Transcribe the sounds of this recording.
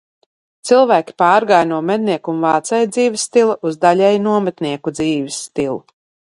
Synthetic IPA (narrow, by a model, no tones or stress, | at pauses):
t̪silˠvæːkʲi̥paːɾɡajnuɔmɛd̪̚niɛkunvaːt̪sɛjd̪ziːvisːt̪ilˠaʔuzd̪aʎʲɛjnuɔmɛt̪niɛkud̪ziːvisːt̪ilˠu